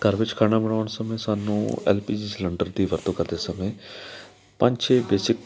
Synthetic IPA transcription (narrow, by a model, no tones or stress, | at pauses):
kəɾʋɪt͡ʃkʰaːɽ̃abəɽ̃aːɳsəmẽːsaːnṵ̃ːɛ̰ːlpiːd͡ʒislə̃ɳɖəɾd̪iːʋəɾt̪õːkəɾd̪eːsəmẽː | pə̃ɲd͡ʒt͡ʃʰeːbeːsɪk